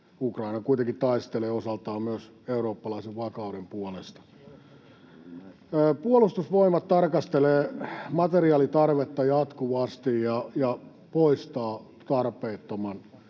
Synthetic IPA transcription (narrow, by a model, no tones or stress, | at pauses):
ukrɑinɑkuit̪eŋkit̪ɑist̪eleːosɑlt̪ɑːmmyøs | euɾoːpːɑlɑiseʋʋɑkɑudempuolest̪ɑ̥ | puolust̪usʋoimɑt̪t̪ːɑrkɑst̪eleːmɑt̪eriɑːlit̪ɑrʋet̪ːɑjɑt̪kuʋɑst̪ijjɑjɑ | poist̪ɑː | t̪ɑrpeːt̪ːomɑn